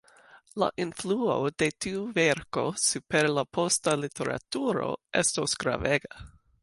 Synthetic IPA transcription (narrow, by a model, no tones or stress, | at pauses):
la̰ʔinfluod̥e̞tiuveɾko̞supeɾlapʰostalitʰeɾa̰tuɾo̞̰ʔestosɡ̥ɾa̰veɡa